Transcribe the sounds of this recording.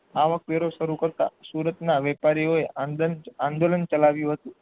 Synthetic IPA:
aʋək̚ʋeɾoʃəɾukəɾt̪a̰suɾət̪naʋɛpaɾioeʔanand̪olənt͡ʃəlaʋjũɦət̪ũ

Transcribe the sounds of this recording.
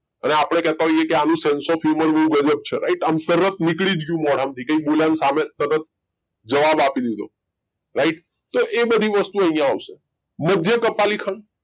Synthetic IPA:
əneapəɽ̃ekɛɦt̪ãɦojekeanũsensɔfʰuməɾbəɦũɡəd͡ʒəb̚t͡ʃʰeɾa̰iʈamt̪əɾət̪̚nikɭid͡ʒɡjũmɔɽ̤amt̪ʰikəĩboljansamet̪əɾət̪̚ | d͡ʒəʋabapid̪id̪o | ɾaiʈ | t̪oʔebəd̪ʱiʋəst̪uə̃ɦĩjãaʋse | məd̪ʱjəkəpalikʰəɳ

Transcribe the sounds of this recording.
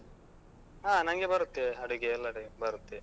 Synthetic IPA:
aːnɐŋɡebɐɾut̪ːeɐɽuɡeɐlːɐɽebɐɾut̪ːe

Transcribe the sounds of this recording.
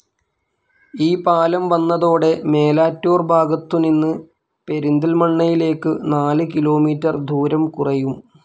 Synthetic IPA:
iːpaːlɐmʋɐnːɐðo̞ːɽe̞me̞ːlaːtːoːrbʱaːɡɐt̪ːuninːɨ | pe̞ɾind̪ɐlmɐɳːɐjile̞ːkːɨnaːlɨkilo̞ːmiːtːɐrd̪ʱuːɾɐmkurɐjum

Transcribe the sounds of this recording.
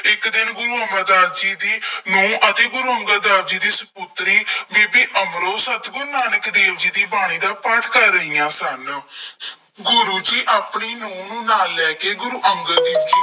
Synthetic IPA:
ɪkd̪ɪnɡʊɾuːəməld̪aːɾd͡ʒiːd̪iːnũːʔət̪eːɡʊɾuːəŋɡəld̪aːɾd͡ʒiːd̪iːsəpʊt̪ɾiːbiːbiːʔəmɾoːsət̪ɡʊɾnaːnəkd̪eːʋd͡ʒiːd̪iːbaːɽ̃iːd̪aːpəʈʰkəɾːəɦiːãːsən | ɡʊɾuːd͡ʒiːʔaːpɳiːnũːnũːnaːlːɛːkeːɡʊɾuːʔəŋɡəld̪iːiː

